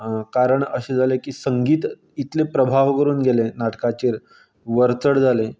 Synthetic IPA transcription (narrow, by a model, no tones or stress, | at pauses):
kaɾəɳə̰ɕed͡zʱalekiːsəŋɡiːt̪ | it̪lepɾəbʱaʋkəɾuːnɡelenaʈkat͡ɕeːɾ | ʋəɾt͡səɽd͡zʱale